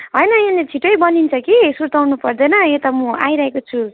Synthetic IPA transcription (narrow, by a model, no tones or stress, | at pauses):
ɦʌjnʌenet͡sʰiʈʌjbʌnint͡sʰʌkisuɾt̪awnupʌrd̪ʌjnʌet̪amũajɾʌɦekot͡sʰu